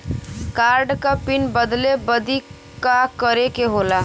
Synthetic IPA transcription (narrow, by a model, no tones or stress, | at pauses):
kaːɾɖkapinbəd̪lebəd̪ʱi | kakəɾekeɦola